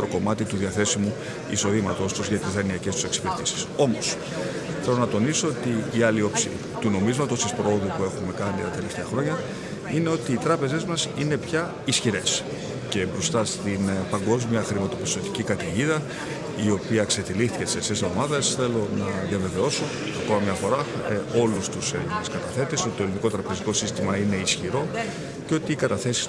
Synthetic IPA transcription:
ɾoko̞mɐt̪it̪uðiɐθe̞simu | iso̞ðimɐt̪o̞st̪uzʝɐt̪izðɐniɐce̞st̪use̞ksi̥peɾt̪isi̥so̞mo̞s | θelo̞nɐt̪o̞niso̞ot̪iːɐlio̞psḭ | t̪uno̞mizmɐt̪ost̪ispɾo̞oðupue̞xume̞kɐnit̪ɐt̪e̞le̞ft̪e̞ɐxɾo̞ɲɐ | ine̞o̞t̪iːt̪ɾɐpe̞ze̞zmɐsine̞pçɐ | isçiɾe̞s | ce̞bɾo̞st̪ɐst̪inpɐŋɡo̞zmiɐxɾimɐt̪opist̪o̞t̪icikɐt̪iʝiðɐ | io̞piɐkse̞t̪ilist̪icet̪isesezomɐðɐsθe̞lo̞nɐðʝɐve̞ve̞o̞so̞ | ɐko̞mɐmɲɐfo̞ɾɐ | o̞lust̪usenineskɐt̪ɐθe̞t̪esoi̥t̪olindiko̞t̪ɾɐpe̞ziko̞sist̪imɐine̞isçiɾo̞ | ceo̞t̪iːkɐt̪ɐθe̞si̥

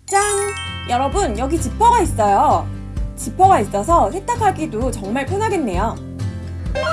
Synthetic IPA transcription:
t͡ɕ͈a | jʌɾʌbɯnjʌɡit͡ɕipʰʌɡais͈ʌjo | t͡ɕipʰʌɡais͈ʌsʰʌsʰet͈akʰaɡ͈idot͡ɕʌŋmaɭpʰjonaɡe̞nːe̞jo

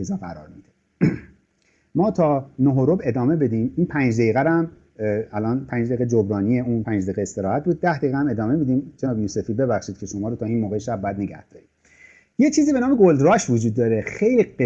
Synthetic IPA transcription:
ezɑæ̰ɾɒ̰ːɾmid̪e | mɒːt̪ʰɒːnoɦoɾobe̞d̪ɒːmebe̞d̪iːminpʰænd͡ʒd̪ejiɣæɾæm | ælʔɒːnpʰænd͡ʒd̪eiɣed͡ʒobɾɒːnijeuːnpʰænd͡ʒd̪ejɣeest̪e̞ɾɒːhæt̪̚ʰbuːd̪̚ːæhd̪ejɣææme̞d̪ɒːmebed̪iːmt͡ʃʰenɒbijuse̞fid̪̚be̞βæxʃiːd̪kcʰe̞ʃomɒːɾot̪ʰːiːnmoːɣeʃæbːæd̪ne̞ɟæ̰hd̪̥ɒːɾiː | jet͡ʃʰiːzibe̞nɒːme̞ɡold̪ɾɒʃvod͡ʒuːd̪̚ːɒːɾexejlie

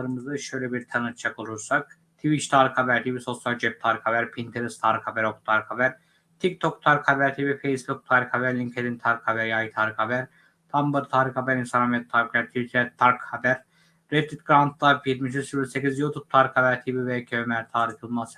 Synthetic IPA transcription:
ɾɯmɯzɯʃø̞jlʲɛbiɾt̪ʰanɯt͡ʃʰakʰolˠuɾsak̚ | t̪ʰivit͡ʃt̪ʰaːɾikhabæɾt̪ʰibiso̞sjalʲd͡ʒɛp̚t̪ʰaːɾikhabæɾpʰint̪ʰeɾist̪ʰaɾkhabæɾokt̪ʰaɾkʰhabæɾ | t̪ʰikt̪ʰokt̪ʰaɾkhabæɾt̪ʰibifejsbuk̚t̪ʰaːɾikhabæɾlʲiŋkʰed̪int̪ʰaɾkhabæɾjajit̪ʰaːɾikhabæɾ | t̪ʰambɯɾt̪ʰaːɾikhabæɾinsanhamjɛt̪̚t̪ʰːaːɾikʰlʲæɾt̪ʰivit̪ʰɾɛt̪ʰːaɾkhabæɾː | ed̪it̪̚ɡɾant̪̚ʰlˠabjiɾmiʃyzsilʲsecizjut̪ʰub̥̚t̪ʰaɾikhabæɾt̪ʰibivekʲʰømæɾt̪ʰaːɾifolˠmas

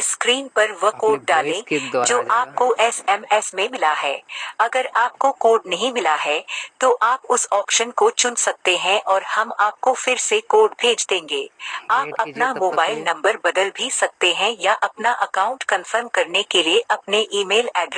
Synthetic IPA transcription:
skɾiːnpɐɾʋɐkoːɖ̚ɖaːlẽd͡ʒoːʔaːp̚koʔɛsɛmɛsmẽmɪlaɦɛːɐɡəɾaːp̚kokoːɾɖnɐɦĩmɪlaɦɛt̪oʔaːpʊsɔːpʃənkot͡ʃʊ̃nsɐk̚t̪eɦɛ̃ʔɔːɾhɐmaːp̚kofɪɾsekoːɾɖbʱeːd͡ʒd̪ẽːŋɡeːaːpɐpnamoːbaːɪlnɐ̃mbəɾbɐd̪əlbʱisɐk̚t̪eɦɛ̃jaʔɐpnaʔɐkãːʊ̃ɳʈkɐ̃nfəɾmkɐɾnekelieʔɐpneʔiːmeːlɛːɖɾ

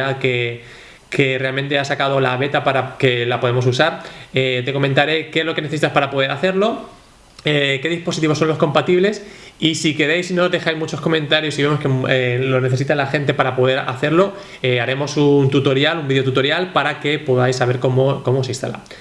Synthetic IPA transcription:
ake | ke̞re̞almẽ̞nt̪e̞asakað̞o̞laβ̞e̞t̪apaɾakelapo̞ðemo̞s̬usaɾet̪e̞ko̞mẽ̞nt̪aɾe̞kezlo̞kene̞θeit̪aspaɾapo̞ð̞eɾaθe̞ɾlo̞ | eke̞ðispo̞sit̪iβo̞sːo̞nlo̞sko̞mpat̪iβle̞sisike̞ɾe̞jsino̞zðe̞xajzmut͡ʃo̞sko̞mẽnt̪aɾjo̞siβe̞mo̞skeelo̞ne̞θe̞sit̪alaxent̪e̞paɾapo̞ð̞e̞ɾa̰θe̞ɾlo̞ | eaɾe̞mo̞sunt̪ut̪o̞ɾjalumbiðeo̞t̪̬ut̪o̞ɾjalpaɾake̞poðajsːaβe̞ɾkomoko̞mos̬ĩnst̪a̰la̰

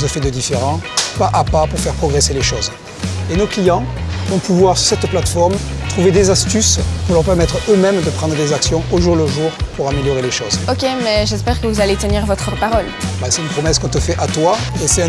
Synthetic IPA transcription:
səfɛd̪əd̪ifeʁɑ̃paʔapapuʁfɛʁpχɔɡʁeseleʃoz | enoklijɑ̃vɔ̃puvwaʁsy̥ʁsɛt̪plat̪fɔʁmt̪χuved̪ezast̪yspuʁlœʁpɛʁmɛt̪χəømɛmd̪əpχɑ̃d̪ʁəd̪ezaksjɔ̃ʔoʒuʁləʒuʁpuʁameljɔʁeleʃozokʲemɛʒɛspɛʁkəvuzalet̪əniʁvɔt̪χəpaʁɔlbɛsɛt̪ynpχɔmɛskɔ̃t̪əfɛʔat̪waesɛt̪

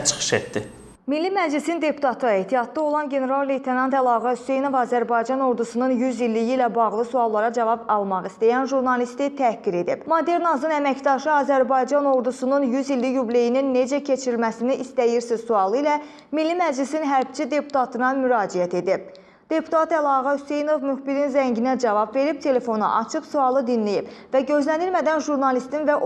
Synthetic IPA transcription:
t͡ʃʰɯ̥χɯ̥ʃḛt̪d̪i | milːimæd͡ʒlisind̪e̞pʰu̥t̪ʰɑt̪ʰɯe̞ht̪ʰijɑt̪̚d̪ɑo̞lˠɑnɟe̞ne̞ɾɑlˠːe̞jt̪ʰenɑnt̪ælˠɑːɣɑysejno̞vɑːzæɾbɑjd͡ʒɑno̞ɾd̪usununjyzilːijiːlæbɑɣlˠɯsuɑlˠːɑɾɑd͡ʒɑvɑbɑlˠmɑχist̪ijænʒuɾnɑlist̪it̪ʰækːiɾe̞d̪ib̥mod̪e̞ɾnɑzɯnæmæcd̪ɑʃɯɑːzæɾbɑjd͡ʒɑno̞ɾd̪usununjyzilːijuble̞jininːe̞d͡ʒæcʰe̞t͡ʃʰiɾilmæsiniʔist̪æjiɾsizsuɑlˠɯilæ | milːimæd͡ʒlisinɦæɾbt͡ʃʰid̪e̞pʰu̥t̪ʰɑt̪ʰɯnɑmyɾɑːd͡ʒijæt̪ʰe̞d̪ib̚ | d̪̥e̞pʰu̥t̪ʰɑt̪ælˠɑɣɑhyse̞jno̞vmyxbiɾinzæɲɟinæd͡ʒɑvɑbve̞ɾib̚t̪ʰe̞le̞fo̞nɑ̰ʔɑ̰t͡ʃʰɯχsuɑlˠɯd̪inlijibvæɟø̞zlænilmæd̪ænʒuɾnɑlist̪invæ

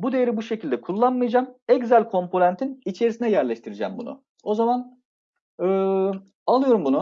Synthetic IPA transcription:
bud̪e̞jeɾibuʃe̞cʰilʲd̪ɛkʰulˠːanmajad͡ʒaːmɛɟzælʲkʰo̞mpʰo̞nænt̪ʰinit͡ʃʰe̞ɾisinɛjæɾlʲɛʃt̪ʰiɾid͡ʒɛ̰mbṵnṵ | o̞zaman | ɯː | alˠɯjo̞ɾumbunu

